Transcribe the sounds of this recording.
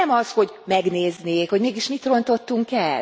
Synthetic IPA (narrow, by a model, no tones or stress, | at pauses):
ɛmɒsho̞ɟmɛɡneːzneːkho̞ɟmeːɡiʃmit̪ro̞nt̪o̞t̪ːuŋkɛl